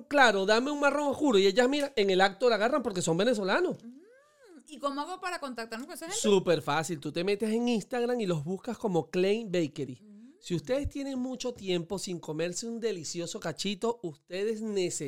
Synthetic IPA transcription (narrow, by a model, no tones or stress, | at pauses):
klaɾo̞ðame̞uŋmaro̞ŋoskuɾoie̞ʝasmiɾae̞ŋe̞lak̚t̪o̞laɣarampo̞ɾke̞so̞mbe̞ne̞s̬o̞lano̞s | ikomoaɣopaɾako̞nt̪ak̚t̪aɾmokoesaesupe̞ɾfasilt̪ut̪e̞me̞t̪e̞se̞ŋinst̪aɣɾaŋilo̞zβuskasko̞mo̞klejmbejkeɾisiust̪e̞ð̞e̞st̪je̞ne̞ŋmut͡ʃo̞t̪je̞mpo̞siŋko̞me̞ɾseund̪e̞lisjo̞so̞kat͡ʃit̪o̞ust̪e̞ðe̞sne̞se